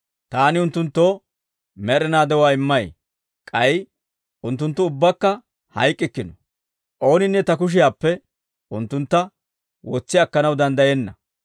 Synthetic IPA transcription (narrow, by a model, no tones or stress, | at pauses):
t̪aːnɪʊnt̪ːʊnt̪ːo̞ː | mɛɾɛnaːd̪ɛwaːɪmːɐj | kʼɐj | ʔʊnt̪ːʊnt̪ːʊʊbːɐkːɐ | hɐjkʼːɪkːɪnɔ | ʔo̞ːnɪnːɛt̪ɐk̬ʊʃ̬ɪjaːpːɛ | ʊnt̪ːʊnt̪ːɐ | wɔt͡sːɪaɐkːɐnɐwd̪ɐnd̪ɐjɛnːɐ